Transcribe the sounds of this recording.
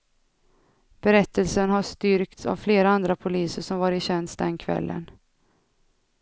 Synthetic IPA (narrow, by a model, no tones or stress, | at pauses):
b̥ɛɾɛt̪ʰːəlsənɦaʂt̪ʏɾkt̪sa̰vfleːɾaand̪ɾapʰʊliːsəʂɔmvɑːɾɪɕɛnsd̪ɛnkʰvɛ̰lːʔə̰n